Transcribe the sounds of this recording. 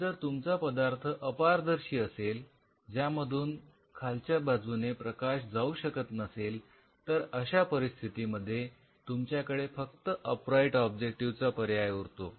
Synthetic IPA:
d͡zəɾt̪umt͡sapəd̪aɾt̪ʰəʔəpaɾd̪əɾɕiːəsel | d͡ʑjaməd̪ʱuːn | kʰalt͡ɕjabad͡zunepɾəkaɕd͡zauɕəkət̪nəsel | t̪əɾəɕapəɾist̪ʰit̪iməd̪ʱːje | t̪umt͡ɕjakəɽefək̚t̪əʔəpɾaiʈɔb̚d͡ʑek̚ʈiʋt͡sapəɾjajuɾt̪o

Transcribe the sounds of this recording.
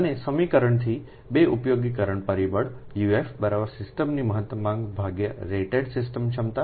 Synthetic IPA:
ənesəmikəɾəɳt̪ʰi | beʔupjoɡikəɾəɳpəɾibəɽ | juefbəɾaʋəɾsɪsʈəmniməɦət̪wəmãŋɡbʱaɡjəɾeʈeɖsɪsʈəmt͡ʃʰəmt̪a

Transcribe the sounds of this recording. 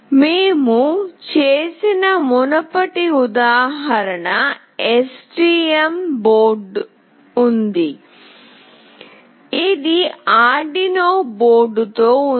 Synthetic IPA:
meːmut͡ʃeːsinɐmunɐpɐʈiud̪aːɦɐɾɐɳɐ | esʈiːemboːɾɖ | und̪i | id̪iaːɖinoːboːɾɖt̪oː

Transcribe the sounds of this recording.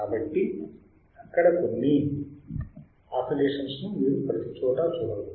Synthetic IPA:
aːbɐʈːi | ɐkːɐɽɐkonːi | aːpʰileːʂɐnsnumiːɾupɾɐt̪it͡ʃɔːʈɐt͡ʃuːɽɐɽu

